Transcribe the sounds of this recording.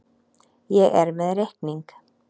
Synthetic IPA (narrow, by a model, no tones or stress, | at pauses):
jɛɣɛɾmɛðrehkniŋk